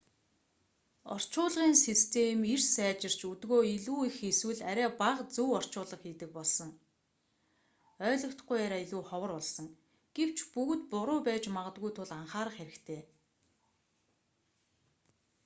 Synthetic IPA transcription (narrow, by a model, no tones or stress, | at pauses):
ɔ̰r̥t͡ɕʊːɮʁiːnsist̪ʰemirsæːt͡ɕɪ̆r̥t͡ɕut̪ɣoːiɮuːixeswɘ̆ɮæɾʲæːpaʁt͡suwɔr̥t͡ɕʊːɮə̆χxiːt̪ɘ̆k̚pɔɮsɞ̆ŋ | œːɮɞ̆w̥t̪ɡujaɾʲaːiɮuːχɔwə̆rʊɮsɞ̆ŋ | ɡ̥ew̥t͡ɕpuɣ̆t̪pʊɾʊːpæːt͡ɕmaʁə̆t̪ɡɣujt̪ʰʊɮaɴχaːɾə̆χxeɾɘ̆kt̪ʰeː